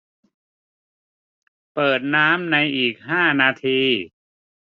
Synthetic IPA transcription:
pɤː˨˩t̪̚naː˦˥mna˧jʔiː˨˩k̚ɦaː˥˩naː˧t̪ʰiː˧

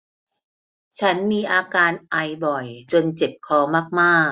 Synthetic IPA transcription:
t͡ɕʰa˦˥nmiː˧ʔaː˧kaː˧nʔa˧˩jbɔ˨˩jt͡ɕo˧nt͡ɕe˨˩p̚kʰɔː˧maː˥˩k̚maː˥˩

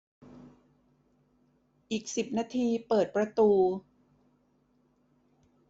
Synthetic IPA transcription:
ʔiː˨˩k̚si˨˩p̚naː˧t̪ʰiː˧pɤː˨˩t̪̚pɾa˧t̪uː˧

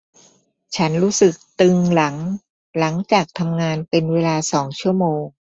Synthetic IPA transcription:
t͡ɕʰa˦˥nɾuː˦˥sɯ˨˩k̚t̪ɯ˧ŋla˩˦ŋ | la˩˦ŋt͡ɕaː˨˩k̚t̪ʰa˧mŋaː˧npe˧nweː˧laː˧sɔː˩˦ŋt͡ɕʰu˥˩ɐəmoː˧ŋ

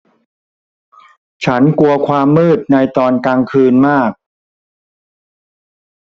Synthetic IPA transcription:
t͡ɕʰa˦˥nku˧ɐkʰwaː˧mːɤː˥˩t̪̚na˧jt̪ɔː˧nkaː˧ŋkʰɯː˧nmaː˥˩k̚

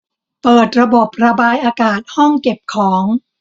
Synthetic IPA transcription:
pɤː˨˩t̪̚ɾa˧bo˨˩p̚ɾa˧baː˧jʔaː˧kaː˨˩t̪̚hɔ˥˩ŋke˨˩p̚kʰɔː˩˦ŋ

